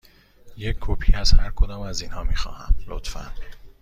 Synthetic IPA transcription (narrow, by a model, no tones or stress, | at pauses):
jecʰːopʰiːæshæɾkʰod̪ɒːmæziːnhɒːmiːxɒ̰ːhæmlo̰t̪fæ̰n